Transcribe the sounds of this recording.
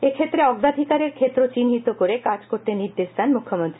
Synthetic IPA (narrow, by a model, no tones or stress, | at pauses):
ekʰet̪ːɾeɔɡd̪ad̪ʱikaɾeɾkʰet̪ːɾot͡ɕinɦit̪okoɾekad͡ʑkoɾt̪eniɾd̪eʃd̪anmukʰːomont̪ɾi